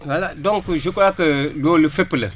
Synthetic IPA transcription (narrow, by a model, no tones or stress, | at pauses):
waladɔŋkɨʒukʊlakəlolɨfepɨlə̰